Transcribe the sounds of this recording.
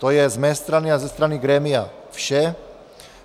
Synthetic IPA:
t̪ɔjɛzmɛst̪ɾaniazɛst̪ɾaniɡɾɛːmiafʃɛ

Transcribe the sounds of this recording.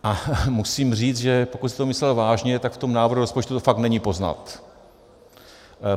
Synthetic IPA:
ʔamusiːmr̝iːt͡sʒɛpo̞kut̪sɛt̪omɪslɛlvaːʒɲɛt̪akft̪o̞mnaːvrɾuɾospo̞t͡ʃt̪ut̪ofakt̪nɛɲiːpo̞zna̰t̪

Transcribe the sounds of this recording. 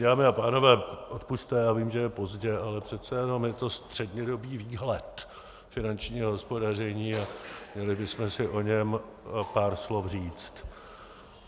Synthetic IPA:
daːmɪapaːno̞vɛːʔot̪pust̪ɛjaːviːmʒɛjɛpo̞zɟɛʔalɛpr̝̥ɛt̪t͡sɛjɛno̞mjɛt̪o̞st̪r̝̥ɛdɲɛdo̞biːviːɦlɛt̪ | fɪnant͡ʃɲiːɦoɦo̞spo̞dar̝ɛɲiːamɲɛlɪbɪsmɛsɪʔo̞ɲɛmpaːɾslo̞fr̝iːt͡st̪

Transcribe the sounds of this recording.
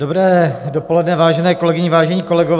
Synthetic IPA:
dobɾɛːdopolɛdnɛvaːʒɛnɛːkolɛɡɪɲɪvaːʒɛɲiːko̞lɛɡov

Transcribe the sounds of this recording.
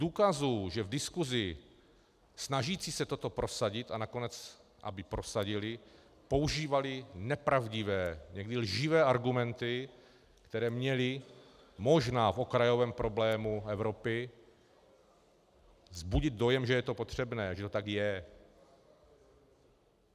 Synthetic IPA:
duːkazuʒɛvdɪskuzɪ | snaʒiːt͡siːsɛt̪o̞t̪o̞pɾo̞saɟɪt̪anakonɛt͡s | ʔa̰bɪpɾo̞saɟɪlɪ | po̞wuʒiːvalɪnɛpɾavɟɪvɛːɲɛɡdɪlʒɪvɛːʔaɾɡumɛnt̪ɪ | kt̪ɛɾɛːmɲɛlɪ | mo̞ʒnaːfo̞kɾajo̞vɛːmpɾo̞blɛːmuɛvɾo̞pɪ | zbuɟɪd̪̚do̞jɛmʒɛjɛt̪o̞po̞t̪r̝̥ɛbnɛːʒɛt̪ot̪akjɛ

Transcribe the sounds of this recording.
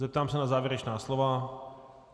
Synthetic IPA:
zɛp̚t̪aːmsɛnazaːvjɛɾɛt͡ʃnaːslova

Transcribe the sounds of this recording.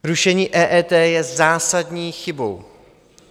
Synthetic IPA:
ɾuʃɛɲiːʔɛːʔɛːt̪ɛːjɛzaːsadɲiːxɪbo̞̰w

